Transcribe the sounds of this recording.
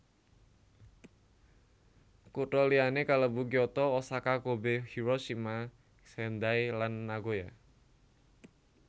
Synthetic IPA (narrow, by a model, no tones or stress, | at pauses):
kuʈɔlianekaləbukiɔt̪ɔːsakakobehiɾoʃima | sɛnd̪ajlanːaɡoja